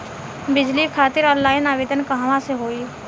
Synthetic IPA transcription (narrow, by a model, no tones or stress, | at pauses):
bɪd͡ʒlikʰaːt̪ɪɾɔːnlaːɪnaːʋeːd̪ənkɐɦʋãseɦoːiː